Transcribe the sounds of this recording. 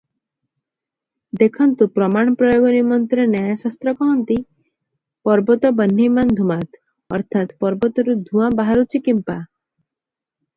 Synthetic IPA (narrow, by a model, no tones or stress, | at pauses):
d̪ekʰɔnt̪upɾɔmaɽ̃ɔpɾɔjoɡɔnimɔnt̪ɾenajasast̪ɾɔkɔɦɔnt̪i | pɔɾbɔt̪ɔbənːimand̪ʱumat̪ | ɔ̰ɾt̪ʰat̪pɔɾbɔt̪ɔɾud̪ʱũãbaɦaɾut͡ʃʰikimpa